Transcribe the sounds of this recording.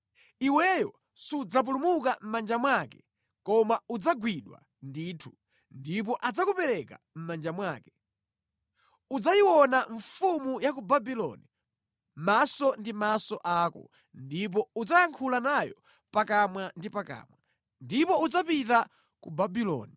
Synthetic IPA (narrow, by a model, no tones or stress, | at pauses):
iwɛjɔ | sud͡zap̬ulumuk̬am̩mand͡ʒamwakɛ | kɔmaud͡zaɡwiɗwa̰ | ndiːtʰu | ndip̬ɔʔad͡zakupɛɾɛka | m̩mand͡ʒamwaːkɛ | ud͡zajiwɔnaɱfumujak̬ubabilɔ̰ni | masɔndimasɔʔaːkɔ̰ | ndip̬ɔud͡zajaŋkʰulanajɔ̰ | pakamwandipaka̰ːmwa | ndipɔud͡zapita | kubabilɔ̰ːni